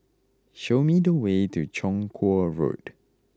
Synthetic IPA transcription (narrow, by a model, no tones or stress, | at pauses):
ʃomidəwetut͡ʃɔ̃ŋkʰɔɹo̰t